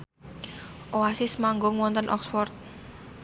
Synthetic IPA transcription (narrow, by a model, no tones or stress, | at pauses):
ʔoasɪsmaŋɡɔŋwɔnt̪ənʔɔ̰ksfɔrt̪̚